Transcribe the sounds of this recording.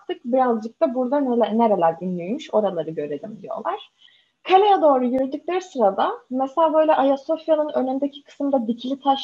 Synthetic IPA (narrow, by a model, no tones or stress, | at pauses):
t̪ʰɯk̚biɾazd͡ʒɯk̚t̪ʰabuɾd̪anneɾelʲæɾd̪inlʲyjmyʃo̞ɾalˠaɾɯɟø̞ɾe̞d̪imd̪ijo̞̰lˠaɾ̥ | kʰalʲejad̪o̞ːɾujyɾyd̪ycʲlʲeɾisɯɾad̪ameselʲaːbø̞jlʲɛʔajaso̞fjanɯnø̞nynd̪ecʰi̥kʰɯ̥sɯmd̪ad̪icʰilʲit̪ʰaʃ